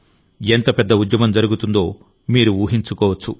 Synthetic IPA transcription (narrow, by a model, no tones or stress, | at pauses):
ent̪ɐpɛd̪ːɐud̪jɐmɐmd͡ʒɐɾuɡut̪und̪o̞ː | miːɾuuːɦiɲt͡ʃukɔːʋɐt͡ʃːu